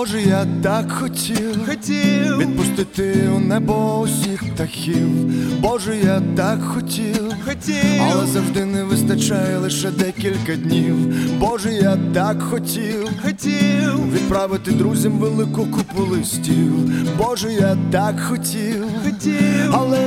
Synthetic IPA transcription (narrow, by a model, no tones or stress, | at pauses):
ɔʒɛjat̪akxɔtʲʰilˠxɔtʲiʋʲid̪̚pʊst̪ɪt̪ɪɔnɛbɔɔsʲixt̪ɐxʲiwbɔʒɛjat̪akxɔtʲi | ɔiɐlˠɛzɐwʐd̪ɪnɛʋɪst̪ɐt͡ʃajɛlˠɪʃɛd̪ɛkʲilʲkɐd̪ʲnʲiwbɔʒɛjat̪akxɔtʲiwɔiʋʲid̪̚pɾaʋɪt̪ɪd̪ɾuzʲɐmʋelˠɪkʊkʊpʊlˠɪsʲtʲibɔʐɛjat̪akxɔtʲiwʲiɐlˠɛ